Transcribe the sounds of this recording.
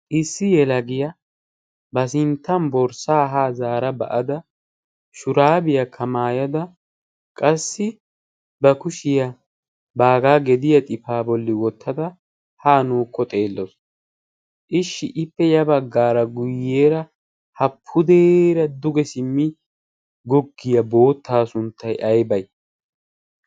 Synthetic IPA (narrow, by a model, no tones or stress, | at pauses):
ʔɪsːɪjɛlɐɡɪjɐ | bɐsɪnt̪ːɐmbɔɾsaːɦaːzaːɾɐbɐ̰ʔɐd̪ɐ | ʃʊɾaːbɪjɐkʰɐmaːjɐd̪ɐ | kʼɐsːɪ | bɐkʊʃɪjɐ | baːɡaːɡɛd̪ɪjɐt̪ʼɪfaːbɔlːɪwɔt̪ʰːɐd̪ɐ | haːnuːkːɔt̪ʼe̞ːlːɔs | ʔɪʃːɪʔɪpːɛjɐbɐɡːaːɾɐɡʊjːeːɾɐ | hɐpʰːʊd̪eːɾɐd̪ʊɡɛsɪmːɪ | ɡɔɡːɪjɐbo̞ːt̪ːaːsʊnt̪ːɐjʔɐjbɐj